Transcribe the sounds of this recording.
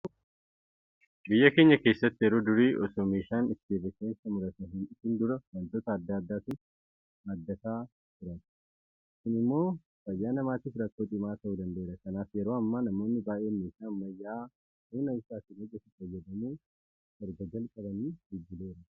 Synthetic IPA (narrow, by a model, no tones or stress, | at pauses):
bɪjːɐke̞ːɲːɐke̞ːsːɐt̪ːɪjɛɾoːd̪ʊɾiːʔɔsoːmeːʃaːnɪt̪ːɪd̪eːbɛsɐnɪsɐmʊlɐt̪ɐɦɪnɪsɪnd̪ʊɾɐwɐnt̪oːt̪ɐːd̪ːaːd̪ːaːsɪn | hɐd̪ːɐt̪aː | t̪ʊɾɐt | sɪnɪmːo̞ː | fɐjːaːnɐmaːt̪iːfɾɐkːo̞ːt̪ʼɪmaːt̪ɐʔuːd̪ɐnd̪ɐeːɾɐkɐnaːfjɛɾo̞ːɐmːanɐmo̞ːnːɪbaːʔe̞ːmeːʃaːmːɐjːaː | hʊːnɐɪsaːsɪnod͡ʒːɛt̪ːɪfɐjːɐd̪ɐmu̥ː | ɛɾɡɐd͡ʒɐlkʼɐbɐniːɡɪd͡ʒːɪle̞ːɾɐ